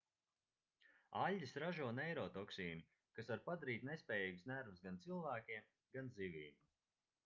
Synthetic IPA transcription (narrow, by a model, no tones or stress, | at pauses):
aʎʲːisɾaʒuɔnɛjɾɔːt̪ɔksiːni | kasvaɾpad̪aɾiːt̪nespʲɛːjiːɡsnæɾvsɡant̪silˠvæːkʲiɛm | ɡanzivʲiːm